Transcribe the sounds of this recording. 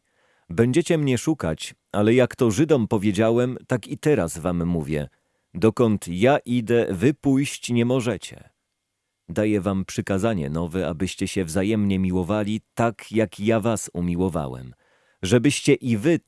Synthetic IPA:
bɛɲd͡ʑɛt͡ɕɛmɲɛʂuka̰t͡ɕ | alɛjakt̪ɔʐɘd̪ɔmpɔvʲjed͡ʑawɛmt̪akit̪ɛɾazvamːuvʲjɛ̰ | d̪ɔkɔnt̪jaʔid̪ɛvɘpujɕt͡ɕɲɛmɔʐɛt͡ɕɛ̰ | d̪ajɛvampʂɘkazaɲɛ̰nɔvɛa̰bɘɕt͡ɕɛɕɛvzajɛmɲɛmʲiwɔvalʲit̪akjakjavasumʲiwɔva̰wɛ̰m | ʐɛbɘɕt͡ɕɛʔivɘ

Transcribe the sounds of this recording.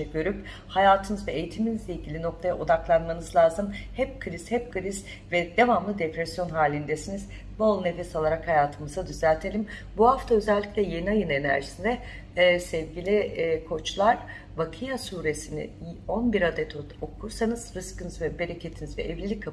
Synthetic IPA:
ɛɡøɾyp | hajaːt̪ʰɯnɯzvɛejit̪ʰiminizlʲeilʲɟilʲino̞klʰˠajaʔod̪aklˠanmanɯzlˠaːzɯmhɛp̚kʰɯɾiz̥hɛp̚kʰɯɾiz | vɛd̪evamlˠɯd̪epɾɛsjo̞nɦaːlʲind̪ɛsiniz | bolˠɯnefɛsalˠaɾakhajaːt̪ʰɯmɯzad̪yzælʲt̪ʰe̞lʲimbuhaft̪ʰaø̞zɛlʲːicʲlʲɛjeniajɯne̞næ̰ɾʒisind̪ɛ | sɛvɟilʲikʰo̞t͡ʃlˠaɾ | vakʰɯjasuːɾe̞sinḭo̞nbiɾad̪ɛt̪ʰoo̞kʰuɾsanɯz̥ɾɯskɯnɯzvɛbe̞ɾecʰe̞t̪ʰinizvɛ̰ʔɛvlʲilʲikʰa

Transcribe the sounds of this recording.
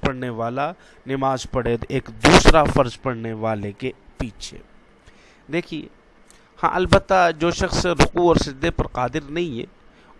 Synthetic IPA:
pɐɽneʋaːla | nɪmaːzpɐɽeːd̪eːkd̪uːsɾafɐɾzpɐɽ̤neʋaːlekepiːt͡ʃʰḛː | d̪eːkʰiḛ | hã̰ːʔɐlbət̪ːad͡ʒoːʃɐxsɾʊquɔːɾsɪd̪ʱːepɐɾqaːd̪ɪɾnɐɦĩɛ̰̃ː

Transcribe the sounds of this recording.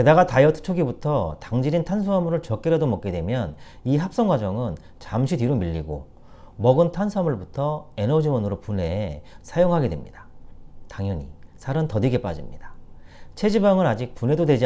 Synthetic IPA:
ke̞daɡatajʌtʰɯ̥t͡ɕʰoɡibutʰʌtaŋd͡ʑiɾintʰans̬ʰuamuɾɯɭt͡ɕʌk͈eɾadomʌk͈edwe̞mjʌn | iɦap̚s͈ʌŋɡwad͡ʑʌŋɯn | t͡ɕamɕʰidiɾomiʎːiɡo̰ | mʌɡɯntʰansʰamɯɭbutʰʌe̞nʌd͡ʑiwʌnɯɾopune̞sʰajoŋɦaɡe̞dwe̞̰mɲidḁtaŋjʌɲḭsʰaɾɯntʌdiɡe̞p͈a̰d͡ʑimɲidḁt͡ɕʰe̞d͡ʑibaŋɯɾad͡ʑik̚pune̞dodwe̞d͡ʑi

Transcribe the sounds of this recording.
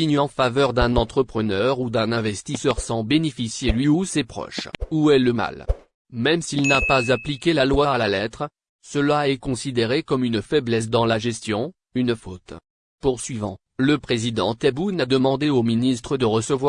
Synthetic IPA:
iɲɑ̃favœʁd̪ɛ̃nɑ̃t̪χəpχənœʁud̪ɛ̃nɛ̃vɛst̪isœʁsɑ̃benefisjelɥiusepχɔ̰ʃuɛləma̰l | mɛmsilnapazaplikʲelalwaːlalɛt̪χ | səlaɛkɔ̃sid̪eʁekɔmynfɛblɛs̬d̪ɑ̃laʒɛst̪jɔ̃ | ynfot̪ | puʁsɥivɑ̰̃ | ləpχezid̪ɑ̰̃t̪ɛbunad̪əmɑ̃d̪eominist̪χəd̪əʁəsəvwa

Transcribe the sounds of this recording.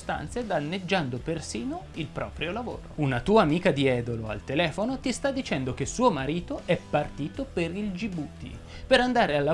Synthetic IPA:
st̪a̰nt̪sed̪anːed͡ʒːand̪opersiːnoilpɾɔ̰ːpɾjolavo̰ːɾo̰unat̪uːaːmiːkad̪iɛːd̪oloa̰lt̪elɛːfonot̪ist̪ad̪ːit͡ʃɛnd̪ok̟esuːomaɾiːt̪oʔɛpːart̪iːt̪opeɾild͡ʒibut̪ḭ | peɾand̪aːɾealːa

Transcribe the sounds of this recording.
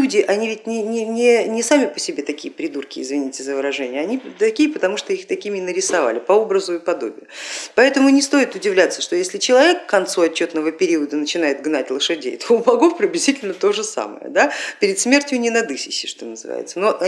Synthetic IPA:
udʲɪʔɐnʲivʲɪtʲnʲɪnʲɪnʲɪnʲɪsamʲɪpəsʲɪbʲe̞t̪ɐkʲijəpɾʲɪd̪urkʲɪːzvʲɪnʲitʲɪzəvəɾɐʐɛnʲɪjəɐnʲit̪ɐkʲijəpət̪ɐmuʂt̪oixt̪ɐkʲimʲɪnəɾʲɪsɐva̰lʲɪpɐo̞bɾəzʊɪpɐd̪obʲɪ̰jəpɐɛt̪əmʊnʲɪst̪o̞jɪt̪ʊdʲɪvlʲat̪sːəʂt̪ojesʲlʲɪt͡ɕɪlˠɐvʲe̞kːɐnt̪suɐt͡ɕːot̪nəvəpʲɪɾʲiəd̪ənət͡ɕɪn̪ajɪt̪̚ɡnatʲlˠəʂɨdʲḛjt̪ʰoʊbɐɡofpɾʲɪbʲlʲɪzʲitʲɪlʲnət̪o̞ʐɨsa̰mə̰jə̰d̪apʲɪɾʲɪd̪smʲe̞rtʲjʊnʲɪnɐd̪ɨsʲɪɕːɪʂt̪o̞̰nəzɨ̰va̰jɪ̰t̪səno̞ʔ

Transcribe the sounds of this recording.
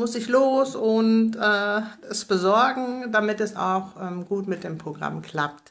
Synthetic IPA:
mʊsɪçloːsʊntɛːɛsb̥əzɔɐɡŋ̩damɪtɛsa̰ʊxʔɛːmɡuːtmɪt̚d̥eːmpʁ̥oɡʁa̰mkʰl̥a̰pt

